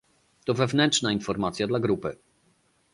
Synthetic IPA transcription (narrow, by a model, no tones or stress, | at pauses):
t̪ɔvɛvnɛntt͡ʂnainfɔɾmat̪sʲjad̪laɡɾupɘ̰